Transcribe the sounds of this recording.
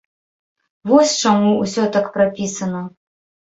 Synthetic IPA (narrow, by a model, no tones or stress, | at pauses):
vɔsʲt͡ʂamuusʲɔt̪akpɾapʲisɐnɐ